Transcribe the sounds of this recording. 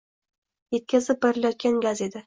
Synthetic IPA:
je̞t̪̚kʲazɪp̚beɾɪlajɒt̪̚kʲanɡʲaze̞d̪ɪ

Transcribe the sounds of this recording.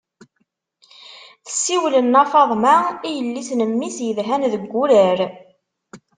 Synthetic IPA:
θə̥sːiwlənːɑfɑðˤmaijəlːisnəmːisjəðɦænðəɡːʊɾəɾ

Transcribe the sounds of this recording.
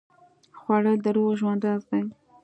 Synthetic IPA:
xwɑɽəd̪əɾoɣʒwand̪ɑzd̪aj

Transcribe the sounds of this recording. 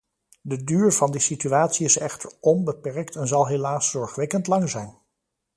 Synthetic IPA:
dədyːɹv̥ɑndisityaːtsiɪsɛχtəɹɔnbəpɛɹktɛnzɑlˠɦelaːsːɔɹχʋɛkəntlɑŋzɛjn

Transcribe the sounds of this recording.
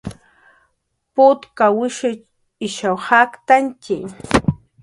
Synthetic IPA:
pʊt̪kawɪʃɪ | ɪʃawhakt̪ant͡ʃɪ

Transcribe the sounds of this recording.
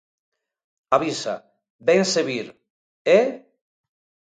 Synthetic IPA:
aβisa | benseβiɾ | e

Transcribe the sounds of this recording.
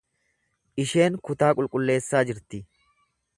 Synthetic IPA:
ʔɪʃe̞ːŋkʊt̪aːkʼʊlkʼʊlːe̞ːsːaːd͡ʒɪɾt̪ɪ

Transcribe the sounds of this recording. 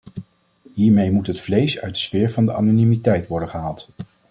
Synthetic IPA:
ɦiːɹmejmutɦətflejsœ̰ɥt̚dəsfɪːɹvɑndəʔɑ̰ːnonimitɛjtʋɔɹdənχəɦaːlˠt

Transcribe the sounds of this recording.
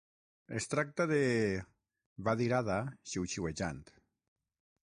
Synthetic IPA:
est̪ɾak̚t̪aðe | βaðiɾaðaʃiwt͡ʃiweʒa̰nt̪

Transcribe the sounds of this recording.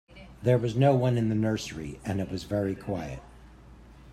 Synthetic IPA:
ðə˞wʌznoʊwʌ̃nɨ̃nðɨnɜ˞səɹḭɨ̃nɨt̚wʌzvɛɹikʰw̥aɪɨ̰t̚

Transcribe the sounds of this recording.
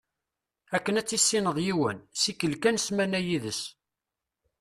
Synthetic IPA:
ækːənæt͡sːisːinəðˤjiwənsikːəlkænsmænæjiðəs

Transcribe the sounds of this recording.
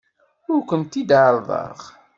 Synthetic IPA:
ʊɾkʷənt̪id̪ʕəɾˤðˤə̰ɾʁ

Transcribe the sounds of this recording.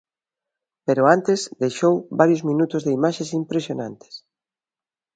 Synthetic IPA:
peɾʊant̪esðejʃowβaɾjʊzmĩnut̪ʊzðeimaʃesimpɾesjona̰nt̪e̥s

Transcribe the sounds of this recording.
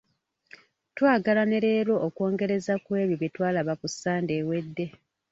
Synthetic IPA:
twaːɡalaneɾe̞ːɾo̞ʔːko̞ːŋɡe̞ɾe̞zakwe̞ːβjoβitwaːlaβakusːaːnde̞ːwe̞dːe̞

